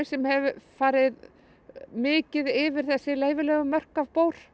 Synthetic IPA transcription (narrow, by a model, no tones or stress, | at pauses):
sɛmhɛvʏfaːɾɪð | mɪːcɪðɪvɪɾ̥θɛsːɪleːjvɪlɛːɣʏmœr̥kavpoːwɾ̥